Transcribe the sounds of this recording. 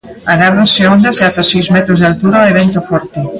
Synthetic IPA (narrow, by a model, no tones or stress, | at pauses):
anaβðonseond̪azðat̪asijzmɛt̪ɾozðalt̪uɾaoeβ̞ent̪ofɔɾt̪e